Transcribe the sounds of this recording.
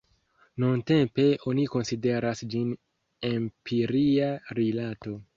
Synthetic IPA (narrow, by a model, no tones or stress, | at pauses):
nunte̞mpe̞ʔo̞niko̞nside̞ɾasd͡ʒin | empʰiɾiaɾilato̞